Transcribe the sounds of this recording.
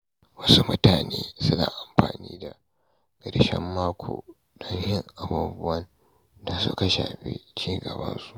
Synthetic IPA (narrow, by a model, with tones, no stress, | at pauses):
wɐ˦su˦mʊ˦taː˨neː˦sʊ˦na̰ː˨ʔa˨mɸa̰ː˨niː˦da˨ | ɡ̥ɐ˨ɾʃɛ̰˦mːaː˦kʷʰo̰ː˨ | dɔ˦ŋjɪ˦ŋʔa˨buː˦bʊ˦wɐ˦n | da˦so̰ː˦˨ka˦ʃa̰ː˨ɸḛ˦t͡ʃiː˦ɡɐ˨bɐ̰˦nsu̥˦ʔ